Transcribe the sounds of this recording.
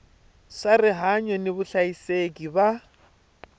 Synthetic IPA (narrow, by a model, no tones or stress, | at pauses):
sarɪɦaɲɔnɪβʊɬaisekʼiba